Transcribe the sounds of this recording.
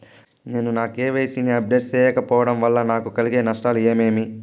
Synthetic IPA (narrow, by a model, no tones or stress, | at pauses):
ne̞ːnunaːkeːʋeːsiniɐb̚ɖeːʈst͡ʃɛːjɐkɐpɔːʋɐɽɐmʋɐlːɐnaːkukɐliɡe̞ːnɐʂʈaːlue̞ːme̞ːmi